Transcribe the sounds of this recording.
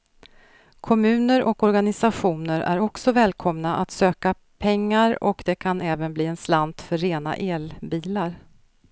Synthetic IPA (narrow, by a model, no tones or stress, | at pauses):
kʰɔmʉ̟ːnəɾʔɔkɔɾɡanɪsaɧuːnəɾʔæ̰ɾɔksɔvɛːlkʰɔmnaʔat̪søːka | pʰɛŋːaɾɔ̰kd̪ɛkʰanɛːvənbliːɛnsland̪fœɾːeːna̰ʔeːlbiːlaɾ